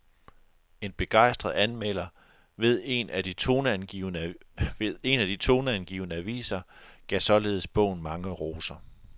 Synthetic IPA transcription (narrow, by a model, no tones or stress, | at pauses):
e̝nb̥e̝ɡ̥ɑ̈ɪ̰sd̥ʁɐð̩ˠænmel̰ɐ | ʋe̝ð̞ˠe̝næd̥it͡sʰo̝næniʊneðˠe̝næd̥it͡sʰo̝ːnəænɡ̥ḭːʊnəæʋḭːsɐɡ̥ɛsɒ̽le̝ːð̞̩ˠəsb̥ɔ̰̽ʊ̰n̩mɑ̈ŋəʁo̝ːsɐ